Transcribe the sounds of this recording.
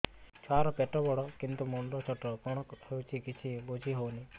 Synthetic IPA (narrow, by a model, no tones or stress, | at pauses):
t͡ʃʰaɾɔpeʈɔbɔɽɔkint̪umoɳɖɔt͡ʃʰɔʈɔkɔɽ̃ɔkhewt͡ʃʰikit͡ʃʰibod͡ʒʱiɦowni